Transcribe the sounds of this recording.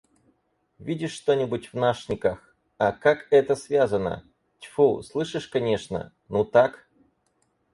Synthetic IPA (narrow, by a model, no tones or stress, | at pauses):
vʲidʲɪʂːt̪o̞nʲɪbʊtʲvnaʂnʲɪkax | ɐkakɛt̪əsvʲazənə̰ | tʲfuslˠɨʂɨʂkɐnʲeʂnə̰ | nut̪ak